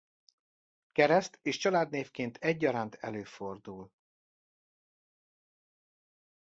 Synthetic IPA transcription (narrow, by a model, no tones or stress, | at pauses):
kɛɾɛst̪eːʃt͡ʃɒlaːd̪neːfkeːnt̪ʰɛɟ̚ːɒɾaːnt̪ʰɛløːfo̞rd̪uːl